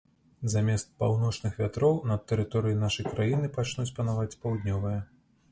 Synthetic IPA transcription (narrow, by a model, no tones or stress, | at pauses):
zamʲɛst̪̚pawn̪ɔt͡ʂnɨxvʲat̪ɾɔwnɐt̪ːɛɾɨt̪ɔɾɨjinaʂɐjkɾajinɨpat͡ʂnut͡sʲpɐnavat͡sʲpawd̪nʲɔvɨjɐ